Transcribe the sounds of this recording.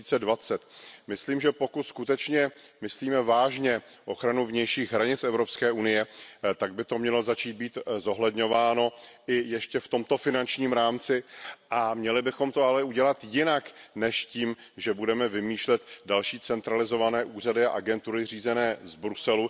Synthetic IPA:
iːt͡sɛdvat͡sɛt̪mɪsliːmʒɛpo̞kut̪skut̪ɛt͡ʃɲɛ | mɪsliːmɛvaːʒɲɛ | ʔo̞xɾanuvɲɛjʃiːxɦɾaɲɪt͡sɛvɾo̞pskɛːʔunɪjɛt̪aɡ̚bɪt̪omɲɛlo̞zat͡ʃiːdt̪̚biːt̪zo̞ɦlɛdɲo̞vaːno̞ɪjɛʃcɛft̪o̞mt̪o̞fɪnant͡ʃɲiːmɾaːmt͡sɪʔamɲɛlɪbɪxo̞mt̪o̞alɛuɟɛlat̪jɪnaknɛʃciːm | ʒɛbudɛmɛvɪmiːʃlɛt̪dalʃiːt͡sɛnt̪ɾalɪzo̞vanɛːʔuːr̝adɪa̰ʔaɡɛnt̪uɾɪr̝iːzɛnɛːzbɾusɛlu

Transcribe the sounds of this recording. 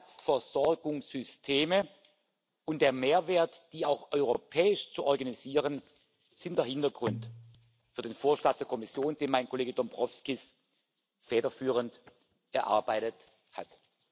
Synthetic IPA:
sfɛɐz̥ɔɐɡʊŋsʏstʰeːmə | ʔʊntd̥eːɐmeːɐveːɐtd̥iːaʊxʔɔʏʁopʰɛːɪʃt͡suʔɔɐɡaniziːʁən | z̥ɪntd̥eːɐhɪntɐɡʁʊnt | fyːɐdeːnfoːɐʃlant̚d̥eːɐkʰɔmɪsjoːnd̥eːnmaɪnkʰoleːɡədɔmbʁɔfskɪs | fɛːɾɐfyːʁ̞ənt | ʔɛɐʔa̰ɐbaɪtət | ha̰t

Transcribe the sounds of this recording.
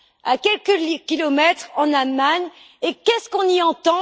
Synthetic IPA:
a̰kʲɛlkəkʲilɔmɛt̪χɑ̃namaɲ | ekɛskɔ̃niɑ̃t̪ɑ̃

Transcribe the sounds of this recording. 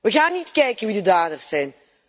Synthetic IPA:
ʋəɣaːnːitkɛjkənʋidədaːdərsɛjn

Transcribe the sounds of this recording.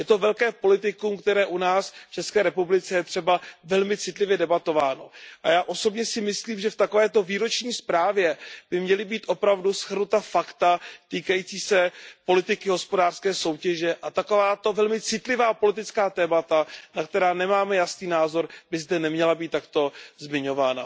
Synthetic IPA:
jɛt̪o̞vɛlkɛːpo̞lɪt̪ɪkumkt̪ɛɾɛːʔunaːsft͡ʃɛskɛːɾɛpublɪt͡sɛjɛt̪r̝̥ɛbavɛlmɪt͡sɪt̪lɪvjɛdɛbat̪o̞vaːno̞ʔa̰jaːʔo̞so̞bɲɛsɪmɪsliːmʒɛft̪ako̞vɛːt̪o̞viːɾo̞t͡ʃɲiːspɾaːvjɛb̥ɪmɲɛlɪbiːt̪ʔo̞pɾavdusxr̩nut̪afakt̪at̪iːkajit͡siːsɛpo̞lɪt̪ɪkɪɦo̞spo̞daːr̥skɛːso̞wcɛʒɛʔat̪ako̞vaːt̪o̞vɛlmɪt͡sɪt̪lɪvaːpo̞lɪt̪̬ɪt͡skaːt̪ɛːmat̪anak̚t̪ɛɾaːnɛmaːmɛjasniːnaːzo̞ɾbɪzdɛnɛmɲɛlabiːt̪ːakt̪o̞zmɪɲo̞vaːna̰

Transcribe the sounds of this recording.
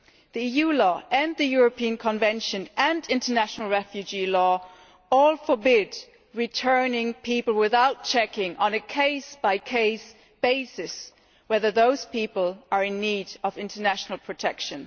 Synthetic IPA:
ðiijulɔʔɨ̃nðɨjʊɹɨpʰiɨ̃nkʰə̃ɱvɛ̃nʃɨ̃nɨ̃ndɪ̃ntə˞næʃnl̩ˠɹɛfjʉd͡ʒilɔ | ɔlˠfə˞bɪd | ɹitʰɜ˞nɪ̃ŋpʰipl̩ˠwɪθaʊt̚t͡ʃʰɛkɪ̃ŋʔə̃nɨkʰeɪsb̥aɪkʰeɪs | b̥eɪsɪs | wɛðə˞ðoʊz̥pipəl̩ˠə˞ɨ̃nːiɾʌvɪ̃ntə˞næʃn̩l̩ˠpʰɹ̥ɨtʰɛkʃɨ̃n

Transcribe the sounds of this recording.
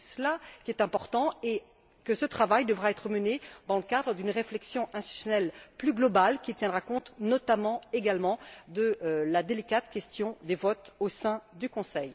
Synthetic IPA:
səlakʲiɛt̪ɛ̃pɔʁt̪ɑ̃e | kəsət̪χavajd̪əvʁaɛt̪χəməned̪ɑ̃ləkad̪ʁəd̪ynʁeflɛksjɔ̃ʔɛ̃st̪it̪y̥sjɔnɛlplyɡlɔbalkʲit̪jɛ̃d̪ʁakɔ̃t̪nɔt̪amɑ̃eɡalmɑ̃d̪əlad̪elikat̪kʲɛst̪jɔ̃d̪evɔt̪osɛ̃d̪ykɔ̃sɛj

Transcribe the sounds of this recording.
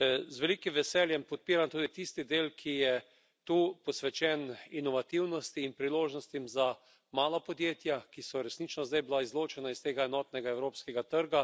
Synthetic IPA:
zʋɛliːkimʋɛsɛljɛmpɔt̪̚piːɾant̪uːd̪it̪ist̪id̪eːlkʰijɛ | t̪uːpɔsʋɛt͡ʃɛninɔʋat̪iwnɔst̪iːnpɾiloːʒnɔst̪imza | maːlapɔd̪jeːt̪jakisɔɾɛsnit͡ʃnɔzd̪ajbilaizloːt͡ʃɛnaist̪eːɡaɛnɔːt̪nɛɡaɛwɾoːpskɛɡat̪əɾɡa

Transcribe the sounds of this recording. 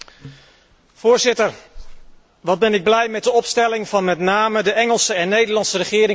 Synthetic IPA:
v̥ʊːɹzɪtəɹ | ʋɑd̚bɛnɪɡ̚blɛjmɛt̚dəɔpstɛlɪŋvɑnmɛtnaːmədəʔɛŋəlˠsəɛnːejdəɹlɑntsərəχɪːɾɪŋ

